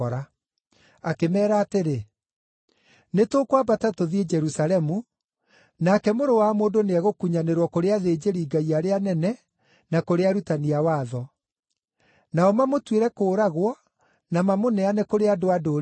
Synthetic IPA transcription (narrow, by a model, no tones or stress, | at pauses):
ɔɾa | akemɛːɾaːteɾe | netoːkwabatatoðied͡ʒɛɾusalɛmu | nakɛmoɾowamoːndoneaɣokuɲaneɾwɔkoɾeaðeːd͡ʑeɾiːɡaiaɾeanɛnɛ | nakoɾeaɾutaniawaːðɔ | naɔmamotweɾɛkoːɾaɣwɔ | namamonɛanɛkoɾeadoado